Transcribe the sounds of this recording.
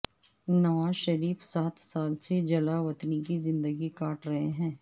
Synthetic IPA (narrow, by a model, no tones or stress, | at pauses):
nɐʋaːzʃɐɾiːfsaːt̪ʰsaːlsed͡ʒɐlaʋɐt̪nik̬izɪ̃nd̪əɡikaːʈɾɐɦeɦɛ̃ː